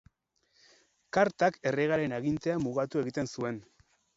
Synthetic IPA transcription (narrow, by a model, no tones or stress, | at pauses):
kaɾt̪ake̞re̞ɣ̞aɾe̞naɣint̪e̞amuɣat̪ue̞ɣit̪e̞nsue̞n